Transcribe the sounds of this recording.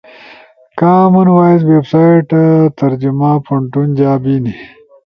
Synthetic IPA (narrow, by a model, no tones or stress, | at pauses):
kaːmɐnwaːizwebsaːjʈt̪ɐɾd͡ʒumaːpʰuɳʈund͡ʒaːbiːni